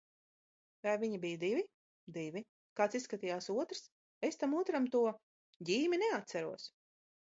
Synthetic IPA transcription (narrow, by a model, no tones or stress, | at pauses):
vajviɲibijd̪ivʲi | d̪ivʲi | kaːt̪sisːkat̪iːjaːsuɔt̪ɾs | est̪amuːt̪ɾamt̪uɔ | ɟʲiːminɛat̪sæɾuɔs